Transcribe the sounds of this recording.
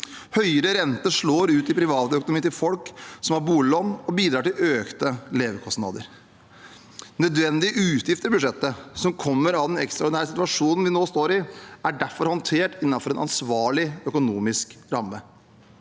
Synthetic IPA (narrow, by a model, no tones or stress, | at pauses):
hœʏəɾəɾɛnt̪əʂɭoːɾʉːt̪ɪpʰɾɪʋɑːt̪əœkʊnʊmiːnɪlfɔlksɔmhɑɾbuːlɪlɔnɔbiːd̪ɾɑːʈɪløːkt̪əleːʋəkʰɔst̪nɑ̰ːd̪ə̰ɾ | nœd̪ʋɛnd̪ɪəʔʉːt̪jɪft̪əɾbʉd̪ʂɛt̪ːəsɔmkʰɔmːəɾɑʋd̪ɛnɛ̰kst̪ɾɑɔʊɖɪnæːɾəsɪt̪ʉʋɑʂuːnənʋɪnoːst̪oːɾɪæɖæɾfɔɾhɔnt̪ʰeːʈɪnːɑfɔɾɛnɑ̰nsʋɑːɭɪœkʊnuːmɪskɾɑmːə